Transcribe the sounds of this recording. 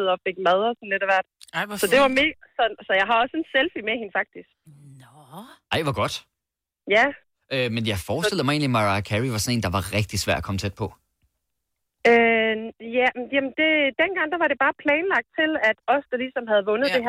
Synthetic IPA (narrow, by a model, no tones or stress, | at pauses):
ð̩ˠɒfe̝ɡ̥̚mɛð̞ˠɐsɒ̽n̩le̝ɾ̥æʋæɐd̥sɒ̽d̥e̝ʋɑ̈meːɡsɒ̽sɒ̽jɑ̈ɪɦɑ̈ɒ̽senselfimehenfɑ̈ɡ̥̚d̥isɡ̥ | ɑ̈ɪʋɑɡ̥ɒ̽d̥ | jæ | ʔømenjɑ̈ɪfɒːsd̥e̝lð̩ˠmɪe̝̰ːnlimɑʁɑkʰæʁiʋɑ̈sɒ̽ne̝̰ːnd̥ɑ̈ʋɑ̈ʁɛɡ̥̚d̥isʋæɐ̰d̥ɒkʰɒ̽mət͡sʰed̥̚pʰɒ̽ | øjæjæmənd̥e̝d̥enɡ̥ɑ̈ŋ̰d̥æʋɑ̈ɾe̝b̥ɑ̈ːpʰlɛːnlɑ̈ɡ̥̚d̥̚t͡sʰe̝læd̥ɒ̽sd̥əlisɒ̽mɦæð̞̩ˠʋɔ̽nð̩ˠd̥e̝ɦæɐ